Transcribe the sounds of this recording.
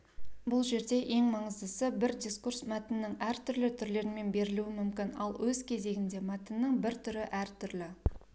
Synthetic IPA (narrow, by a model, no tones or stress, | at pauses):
bʊlˠʒe̞ɾd̪e̞ʔe̞ŋmɑɴəzd̪əsəbɪɾd̪ʲiskursmæt̪ɪnːɪŋæɾt̪ʰʏɾlɪt̪ʰʏɾle̞ɾɪnme̞nbe̞ɾɪluɪmʏmkʲɪnɑ̰lˠwʔɵzkʲʰe̞ze̞ɡʲɪnd̪e̞mæt̪ɪnːəɴbɪɾt̪ʰʏɾɪʔæɾt̪ʰʏɾlɪ